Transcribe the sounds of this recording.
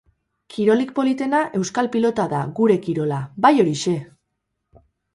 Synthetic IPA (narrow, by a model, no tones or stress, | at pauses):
kiɾo̞lik̚po̞lit̪e̞naʔe̞wskalpilo̞t̪aðaɣuɾe̞kiɾo̞labajo̞ɾiʃe̞